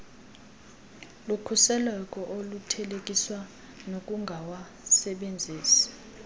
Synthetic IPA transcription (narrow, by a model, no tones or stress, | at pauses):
lukʰusɛlɛkʼɔʔolutʰɛlek̬ʼiswa | nok̬ʼuŋɡʱawa | sɛɓend͡zʱiːsi̥